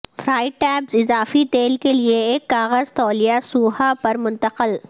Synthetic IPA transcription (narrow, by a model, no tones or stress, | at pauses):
fɾaːɪʈɛːbzɪzaːfit̪eːlkelieeːkːaːɣəzt̪ɔːlijasuːɦapɐɾmʊ̃nt̪əqəl